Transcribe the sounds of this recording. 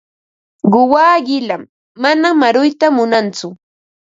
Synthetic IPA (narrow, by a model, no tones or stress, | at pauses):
ɢʊwaːɢɪlamː | anamaɾʊjt̪amʊnant͡sʊ